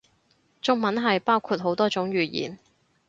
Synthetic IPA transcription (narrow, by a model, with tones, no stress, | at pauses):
t͡ʃʊ˥ŋ̚mɐ˨˥nɦɐ˨jpaː˥wkʰuː˧t̚ɦo˨˥wt̪ɔː˥t͡sʊ˨˥ŋɥyː˨jḭː˨˩n